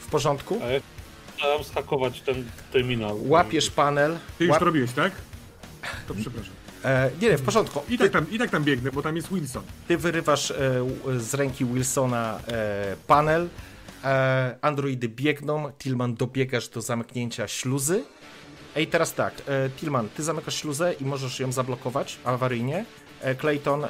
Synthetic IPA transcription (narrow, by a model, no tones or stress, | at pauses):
fpɔʐɔnt̪kuaja | awamsxakɔvat͡ɕt̪ɛnt̪ɛɾmʲinalwapʲjɛʂpanɛltɨjuwt̪ɔɾɔbʲiwɛɕt̪ak | t̪ɔpʂɛpɾaʂamɲɛɲɛfpɔʐɔnt̪̚kuit̪ak̚t̪amit̪akt̪ambʲjɛɡnɛbɔt̪amjɛst̪wilsɔnt̪ɘvɘɾɘvaʂ | zɾɛŋkʲiwilsɔna | panɛl | and̪ɾɔid̪ɘbʲjɛɡnɔ̃wt̪ʲilmand̪ɔbʲjɛɡaʐd̪ɔzamkɲeɲt͡ɕaɕluzɘ | ɛit̪ɛɾast̪a̰kt̪ʲilmant̪ɘzamɘkaʂɕluzɛʔimɔʐɛʂjɔ̃w̃zablɔkɔvat͡ɕavaɾɘjɲɛ | klɛjt̪ɔn